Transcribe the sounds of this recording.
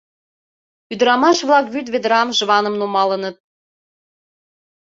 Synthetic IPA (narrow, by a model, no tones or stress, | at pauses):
yd̪ɾɑmɑʃβlɑkβyt̪̬βed̪ɾɑmʒə̆βɑnɤ̆mnomɑlɤ̆nɤ̆t̪̚